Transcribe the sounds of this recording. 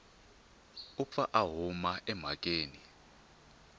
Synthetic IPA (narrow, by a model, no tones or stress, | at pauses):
up̪fʰaʔaɦumaʔɛm̤ak̬ʼeːni